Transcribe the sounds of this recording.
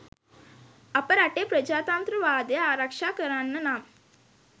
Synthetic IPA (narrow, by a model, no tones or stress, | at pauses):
ɐpɐɾɐʈeːpɾɐd͡ʒaːt̪aːnt̪ɾɐʋaːd̪eaːɾɐkʂaːkɐɾaːnːɐnaːm